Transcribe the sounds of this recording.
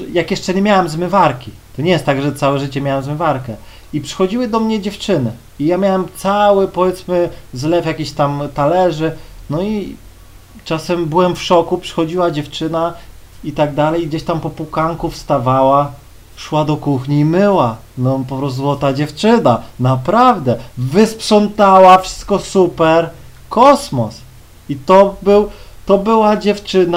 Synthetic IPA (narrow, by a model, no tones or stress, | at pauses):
jakjɛʂt͡ʂɛɲɛmʲjawɛmzmɘvaɾkʲi | t̪ɔɲɛjɛst̪ːaɡʐɛt̪sawɛʐɘt͡ɕɛmʲjawɛmzmɘvaɾkɛ | ipʂɘ̥xɔd͡ʑiwɘd̪ɔmɲɛd͡ʑɛft͡ʂɘnɘ | ijamʲjawɛmt̪sawɘpɔvʲjɛt̪smɘzlɛfjakʲiɕt̪amt̪alɛʐɘnɔi | t͡ʂasɛmbɘwɛmfʂɔkupʂɘ̥xɔd͡ʑiwad͡ʑɛft͡ʂɘna | it̪aɡd̪alɛjɡd͡ʑeɕt̪ampɔpukaŋkufst̪avawa | ʂwad̪ɔkuxɲiːmɘwa | nɔpɔpɾɔszwɔt̪ad͡ʑɛft͡ʂɘnanapɾavd̪ɛvɘspʂɔnt̪awafʂɘ̥st̪̚kɔsupɛɾ | kɔsmɔs | it̪ɔbɘwt̪ɔbɘwad͡ʑɛft͡ʂɘn